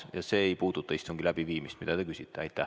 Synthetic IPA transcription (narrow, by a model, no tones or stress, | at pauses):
jɑse̞ːejpuːd̪̥ut̪ˑːɑist̪oŋɡ̥ilæb̥iviːmist̪mid̪ɑd̪̥ekysit̪ːˑeɑjt̪ːˑæ